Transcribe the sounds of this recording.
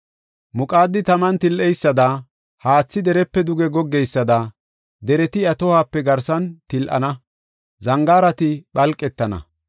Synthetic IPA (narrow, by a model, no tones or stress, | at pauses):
mʊkʼaːd̪ːɪt̪ɐmɐnt̪ɪlʔɛjsːɐd̪ɐ | haːt͡sːɪd̪ɛɾɛpːɛd̪ʊɡɛɡɔɡːɛjsːɐd̪ɐ | d̪ɛɾɛt̪ɪɐt̪ɔhaːpːɛɡɐɾsɐnt̪ɪlʔɐ̰nɐ | zɐŋɡaːɾɐt̪ɪɓɐlkʼːɛt̪ːɐnɐ̰